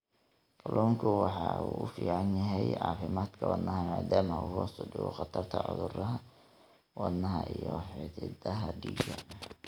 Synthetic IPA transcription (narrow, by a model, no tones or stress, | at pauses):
qʊlʔɔːŋkʰʊwɑħɑuːʊfiːʕɑnjɐɦɛjʕɑːfɪmaːd̪kʰɐwɑd̪nɐɦɐmaːd̪aːmɐuːhɔsʊdɪɣɔχɑt̪ʰɐrt̪ʰɐʕʊðʊɾɐɦɐ | wɑd̪nɐɦɐʔijɔħɪt̪ʰɪd̪ɐɦɐɖiːɡɐ